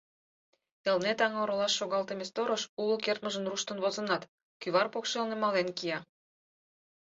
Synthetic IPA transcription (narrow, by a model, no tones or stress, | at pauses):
ĕlnet̪ɑŋoɾolɑʃːoɣɑlt̪emest̪oɾəʃulokert̪məʒənruʃt̪ə̆nβozə̆nɑt̪ | kyβɑrpokʃelnemɑlenkijɑ